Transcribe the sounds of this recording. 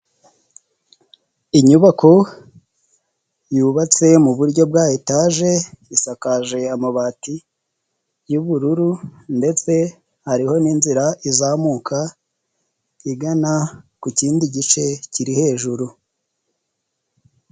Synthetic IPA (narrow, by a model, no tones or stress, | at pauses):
iɲuβakʰo̞ | juːβat͡se̞muβuɾɟo̞b̚ɡaːjitaːʒe̞isakaʒe̞amaβati | juβuɾuɾunde̞t͡se̞ | haɾiho̞niːnziɾaʔizaːmukʰa | iɡanakuciːndiɟit͡ʃe̞ciɾihe̞ːʒuɾu